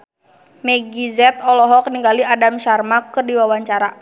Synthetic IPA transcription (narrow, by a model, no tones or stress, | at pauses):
mɛɡizɛt̪ɔlɔɦɔk̚niŋɡaliadamʃarmakɨrdiwawaɲt͡ʃaɾa